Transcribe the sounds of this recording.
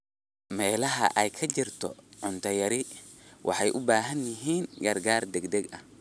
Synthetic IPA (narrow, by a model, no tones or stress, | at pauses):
mɛːlɐɦɐ̰ʔɛjkʰɐt͡ʃɪrt̪ʰɔ̰ʕʊnt̪ʰɐjɐɾɪwʔɑ̰ħɑjʔʊbaːɦɐnjɪɦiːnɡɐrɡaːrd̪ɛɡd̪ɛɡɐ̰h